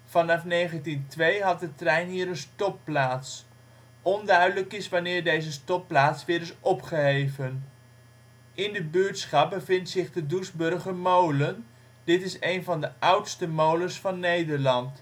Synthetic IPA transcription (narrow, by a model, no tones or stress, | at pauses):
fɑnɑfnejχəntintʋejɦɑt̚dətrɛjnɦiːɾənstɔplaːts | ɔndœɥdələkɪsʋanɪːɹdejzəstɔplaːtsʋɪːɾɪsʔɔpχəɦejvən | ɪndəbyɹtsχɑp̚bəvɪntsɪχdədusbɵrχəmowlən | dɪtɪsejnvɑndəʔʌwtstəmowləsfɑnːejdəɹlɑnt